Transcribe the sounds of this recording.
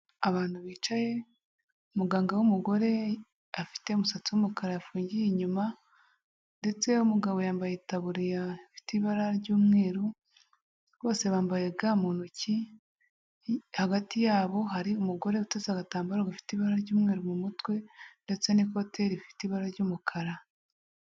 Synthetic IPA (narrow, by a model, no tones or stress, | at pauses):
aβaːn̥huβiːt͡ʃaje̞ | umuɡaːŋɡawumuɡo̞ɾe̞ | afi̥te̞umusat͡siwumukaɾajafuːɲɟijeɲuma | nde̞t͡se̞umuɡaβo̞jaːmbajetaβuɾijaifi̥tiβaɾaɾɟuːmŋeːɾu | βo̞ːse̞βaːmbajeɡaːmuːnuci | haɡatijaːβo̞ɦaɾiumuɡo̞ɾe̞utezaɡataːmbaɾaɡafi̥tiβaɾaɾɟuːmŋeːɾumumutwe̞nde̞t͡se̞niko̞tʰe̞ɾifi̥tiβaɾaɾɟuːmukʰaɾa